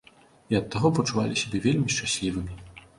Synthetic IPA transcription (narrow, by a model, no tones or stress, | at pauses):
iɐt̪ːaɣɔpɐt͡ʂuva̰lʲisʲabʲɛvʲelʲmʲiʂt͡ʂasʲlʲivɨmʲi